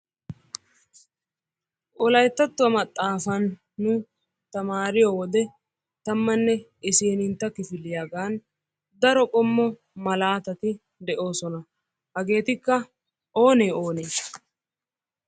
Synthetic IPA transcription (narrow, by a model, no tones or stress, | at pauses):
ʔɔlɐjt̪ːɐt̪ːʊwɐmɐt̪ʼːaːfɐnː | ʊ | t̪ɐmaːɾɪjɔwɔd̪ɛ | t̪ɐmːɐnːɛ | ɪseːnɪnt̪ːɐkɪfɪlːɪjaɡaːn | d̪ɐɾɔkʼɔmːɔ | mɐlaːt̪ɐt̪ɪ | d̪ɛʔo̞ːsɔnɐ | hɐɡe̞ːt̪ɪkːɐ | ʔo̞ːneːo̞ːneː